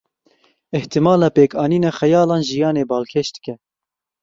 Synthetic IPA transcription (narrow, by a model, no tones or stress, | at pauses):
ɪht̪ɨmɑːlɑːpeːkɑːniːnɛxɛjɑːlɑːnʒijɑːneːbɑːlkʰeʃd̪ɨ̥kɛ